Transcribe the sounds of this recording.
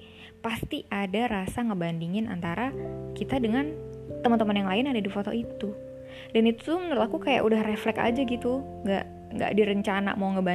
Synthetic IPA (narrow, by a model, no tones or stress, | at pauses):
past̪iʔadaɾasaŋəbandiŋɪna̰nt̪aɾakit̪adəŋant̪əmənt̪əmənjaŋlaɪnadadifot̪ɔ̰ʔit̪u | danit̪umənəɾʊt̪akukaja̰ʔudahreflɛka̰d͡ʒaɡit̪u | ŋɡa̰ʔ | ŋɡa̰ʔdiɾəɲt͡ʃana̰mawŋəba